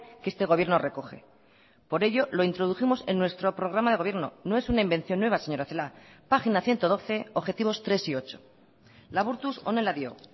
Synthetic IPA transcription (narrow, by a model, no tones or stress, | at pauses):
kee̞st̪e̞ɣ̞o̞βje̞ɾno̞re̞ko̞xe̞̰ | po̞ɾe̞ʝo̞lo̞int̪ɾo̞ð̞uθimo̞se̞nːwe̞st̪ɾo̞pɾo̞ɣ̞ɾamaðeo̞βje̞ɾno̞̰no̞e̞sunaimbe̞n̟θjo̞nːwe̞βase̞ɲo̞ɾaθelapaxinaθje̞nt̪o̞ð̞o̞θe̞oβxe̞t̪iβ̞o̞st̪ɾe̞sio̞t͡ʃo̞̥ | laβuɾt̪usone̞laðjo̞̰